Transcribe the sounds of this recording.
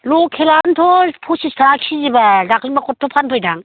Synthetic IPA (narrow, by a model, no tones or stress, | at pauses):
lokʰelantʰɔpʰusistʰakʰizibalakʰinbakɔtʰːɔpʰanpʰɯjdaŋ